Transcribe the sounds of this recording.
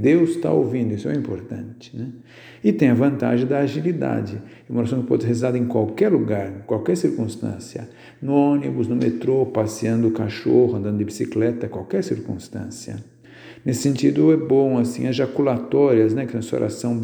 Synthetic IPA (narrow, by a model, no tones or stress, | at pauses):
d̪ewst̪a̰o̰wvĩnd̪ʊisʊɛĩmpoɾt̪ɐ̰̃nt͡ʃɪ̥nɛ | ɪt̪ẽj̃ɐvɐ̃nt̪a̰ʒẽj̃d̪ɐːʒilid̪a̰d͡ʒɪɛumɐɾasɐ̃w̃kɪpɔd̪shezizad̪ɐẽj̃kwawkɛɾluɡaɾ̃kwawkɛɾsiɾkũst̪ɐ̰̃siɐ̰ | nʊõnibʊznʊmet̪ɾopasiɐ̃nd̪ʊʊkaʃohʊɐ̃nd̪ɐ̃nd̪ʊɪbisiklɛt̪ɐkwawkɛɾsiɾkũst̪ɐ̰̃siɐ̰ | nesɪ̥sẽnt͡ʃid̪ʊɛbõw̃asĩɲɐzʒakulat̪ɔɾiɐznɛkɪɐ̃so̰ɾa̰sɐ̃w̃